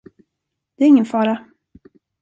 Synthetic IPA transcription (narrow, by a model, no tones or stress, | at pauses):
d̪̥ɛæɾɪŋːənfɑːɾa